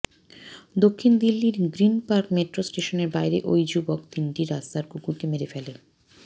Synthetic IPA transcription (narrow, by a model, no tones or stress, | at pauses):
d̪okʰːind̪ilːiɾɡɾinpaɾkmeʈɾosʈeʃoneɾbajɾeʔojd͡ʑubokt̪inʈiɾast̪aɾkukuʈimeɾefele